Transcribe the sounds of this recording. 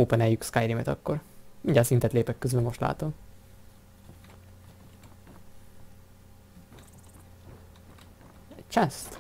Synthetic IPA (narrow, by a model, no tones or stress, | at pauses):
oːpɛnɛjykskajɾimɛt̪ɒkːo̞rmiɲɟaːlsint̪ɛt̪leːpɛkːøzbyɛlmo̞ʃt̪la̰ːt̪o̞m | t͡ʃɛst̪